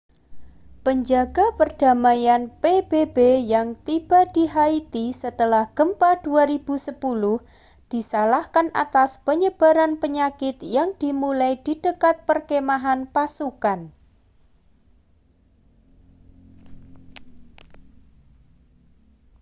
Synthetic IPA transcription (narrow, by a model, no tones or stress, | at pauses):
pəɲd͡ʒaɡapərd̥a̤majanpeb̥ebejaŋt̪ib̥a̤d̪̥iɦait̪isət̪əlahɡ̥əmpad̪̥uaɾib̥usəpulʊh | d̪̥i̤salahkanʔa̰t̪aspəɲəb̥a̤ɾanpəɲakɪt̪jaŋd̪̥i̤mulajd̪̥id̥əkat̪̚pərkemaɦanpasukan